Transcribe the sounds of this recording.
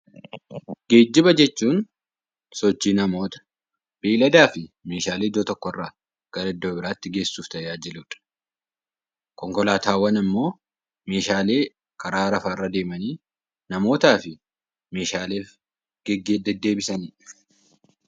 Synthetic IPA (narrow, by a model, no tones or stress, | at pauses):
ɡ̥e̞ːd͡ʒːɪbɐd͡ʒɛt͡ʃːuːn | sɔt͡ʃːiːnɐmo̞ːt̪ɐ̥ | b̥eːlɐd̪aːfɪme̞ːʃaːleːd̪oːt̪ɔkːɔɪrːaː | ɡ̥ɐɾɐɪd̪ːoːbɪɾaːt̪ːɪɡe̞ːsːuːft̪ɐjaːd͡ʒɪluːᶑ̥ | kɔŋkɔlaːt̪aːwɐnɐmːo̞ː | me̞ːʃaːle̞ː | kɐɾaːɾɐfaːɪrːɐd̪e̞ːmɐniː | nɐmo̞ːt̪aːfɪ | me̞ːʃaːle̞ːf | ɡɛɡd̪ɛd̪ːeːbɪsɐniːᶑ